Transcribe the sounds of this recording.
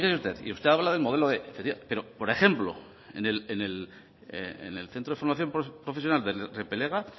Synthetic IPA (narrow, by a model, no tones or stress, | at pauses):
kesust̪e̞ðḭust̪eaβlaðelmo̞ðe̞lo̞ðe̞ʔefekt̪iape̞ɾo̞po̞ɾe̞xe̞mplo̞̰ | ḛnelenel | ḛḛnḛlθent̪ɾoðefo̞ɾmaθjo̞mpɾopɾo̞fesjo̞nald̪erepe̞le̞ɣa